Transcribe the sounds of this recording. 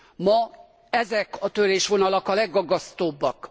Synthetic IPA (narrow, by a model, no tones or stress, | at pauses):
mɒ | ɛzɛkɒt̪øɾeːʃʋo̞nɒlɒkɒlɛɡːɒɡːɒst̪oːbːɒk